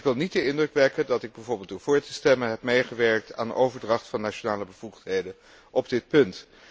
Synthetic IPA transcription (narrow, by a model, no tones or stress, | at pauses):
kʋɪlˠnit̚dəɪndrɵkʋɛkəndɑtɪɡ̚bɛjvʊːɹbɪlˠdʊːɹv̥ʊːɹtəstɛmənɦɛp̚mejχəʋɛɹk̚ta̰ːnəʔowvəɹdrɑχtfɑnːat͡ʃonaːləbəv̥uχtɦejdən | ʔɔb̚dɪt̚pɵnt